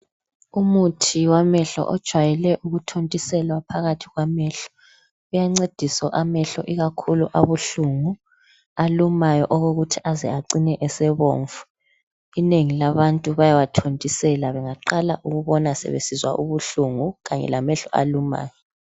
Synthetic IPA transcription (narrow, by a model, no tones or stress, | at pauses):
umutʰiwamɛɬɔ̰ʔɔd̥ʒ̥ʱwajɛlɛʔuɣutʰontʼisɛlwapʰaɣatʰiɣwamɛɬɔ̥ | ujaŋ͡ǀed̥ʱisɔʔamɛɬɔ̰ʔiɣakʰuluʔaβuɬuŋu | alumajɔʔɔɣoɣutʰiʔazɛ̰aǀinɛʔɛsɛβo̰ːɱfu̥ | ineŋilaβantʼuβajawatʰontʼisɛlaβɛŋaǃala̰ʔuɣuβɔnasɛ̰βḛsizwa̰ʔuβuɬuŋuɣaɲɛ̰lamɛɬɔ̰a̰luma̰ːjɔ